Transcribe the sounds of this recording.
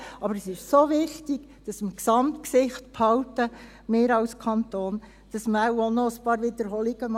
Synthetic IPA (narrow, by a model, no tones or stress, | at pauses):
ʔɑbəɾɛsɪʃsoʋɪχtiɡ | d̥ɑsmksɑmtksɪχtpʰhɑwtə | mɪːɾɑlskʰɑnt̪oːn | d̥ɑsmæwonɔəspɑːɾʋɪd̪əɾɦɔliɡ̥əmɑ